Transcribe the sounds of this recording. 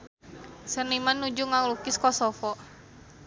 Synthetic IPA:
sənimanːud͡ʒuŋaŋlukɪskɔsɔfɔ

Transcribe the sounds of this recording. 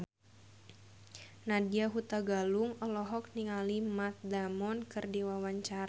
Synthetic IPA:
nadiaɦut̪aɡaluŋɔlɔɦɔk̚niŋalimat̪̚damɔnkɨrdiwawaɲt͡ʃaɾa

